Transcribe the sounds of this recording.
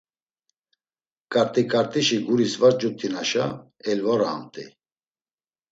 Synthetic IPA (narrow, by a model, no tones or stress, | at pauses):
kʼaɾt̪ʼikʼaɾt̪ʼiʃiɡuɾisvat͡sd͡ʒut̪ʰːinaʃa | ɛlvɔɾaːmt̪ʼḭ